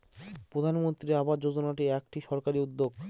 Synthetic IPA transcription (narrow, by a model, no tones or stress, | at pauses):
pɾod̪ʱanmont̪ɾiabad͡ʑod͡ʑonaʈiɛkʈiʃɔɾkaɾiud̪ːoɡ